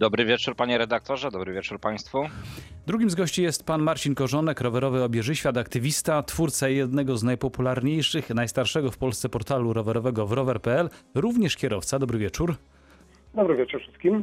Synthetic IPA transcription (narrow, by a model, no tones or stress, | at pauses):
d̪ɔbɾɘvʲjɛt͡ʂuɾpaɲɛɾɛd̪ak̚t̪ɔʐɛd̪ɔbɾɘvʲɛt͡ʂuɾpaj̃st̪fud̪ɾuɡʲimzɡɔɕt͡ɕijɛst̪panmaɾt͡ɕinkɔʐɔnɛkɾɔvɛɾɔvɘɔbʲjɛʐɘɕfʲjat̪akt̪ɘvʲist̪at̪fuɾt̪sajɛd̪nɛɡɔznajpɔpulaɾɲejʂɘxnajst̪aɾʂɛɡɔfpɔlst̪sɛpɔɾt̪aluɾɔvɛɾɔvɛɡɔvɾɔvɛɾpɛɛlɾuvɲɛʂkʲɛɾɔft̪sad̪ɔbɾɘvʲjɛt͡ʂuɾ | d̪ɔbɾɘvjɛt͡ʂuɾfʂɘst̪̚kʲim